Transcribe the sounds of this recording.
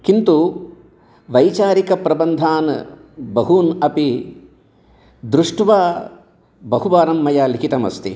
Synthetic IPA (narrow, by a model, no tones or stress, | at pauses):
kint̪u | ʋɐjt͡ʃaːɾikɐpɾɐbɐnd̪ʱaːn | bɐɦunɐpi | d̪ɾuʂʈʋaː | bɐɦubaːɾɐmːɐjaːlikʰit̪ɐmɐ̰st̪ḭ